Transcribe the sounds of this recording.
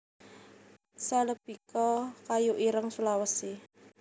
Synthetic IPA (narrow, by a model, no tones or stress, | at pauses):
saləb̥i̤kɔkajuʔiɾəŋsulawəsi